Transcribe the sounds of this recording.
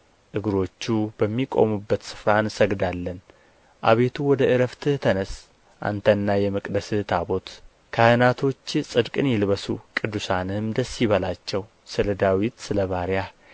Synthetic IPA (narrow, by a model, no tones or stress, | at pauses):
ʔɨɡɾo̞t͡ʃːubəmːikʼo̞̰mubːət̪sɨ̥fɾansəɡd̪alːən | ʔa̰βe̞t̪ʰuwɔd̪əʔɨɾəft̪ʰɨt̪ʰənəs | ʔa̰nt̪ʰənːajɛmɨkʼd̪əsɨt̪ʰabo̞t̪ | kʰahɨnat̪ʰo̞t͡ʃːsʼɨd̪kʼɨnjɪlβəsukʼɨd̪ːusanɨmd̪əsːiβəlat͡ʃːɛw | sɨləd̪awit̪sɨləβaɾja